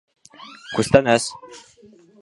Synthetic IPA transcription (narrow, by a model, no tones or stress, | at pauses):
kʉst̪ænæs